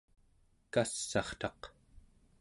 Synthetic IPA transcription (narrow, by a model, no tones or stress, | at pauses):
kasːɑχt̪ɑq